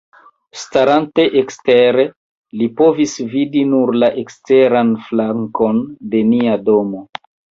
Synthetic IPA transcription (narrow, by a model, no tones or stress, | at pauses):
staɾante̞ʔeksteɾe | lipo̞visvidinuɾlaʔekste̞ɾanflaŋko̞nde̞niado̞mo̞